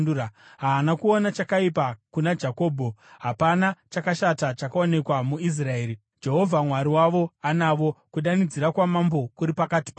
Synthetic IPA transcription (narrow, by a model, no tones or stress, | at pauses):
uaɦaːnakuo̞nat͡ʃakaipakunad͡ʒako̞ːbʱo̞ɦapanat͡ʃakaʃatat͡ʃakao̞ne̞kwamuis̬rae̞ːɾi | d͡ʒe̞ɦo̞vʱamwaɾiwaʋo̞anaʋo̞kuɗanid͡ziɾakwamambo̞kuɾipakati̥pa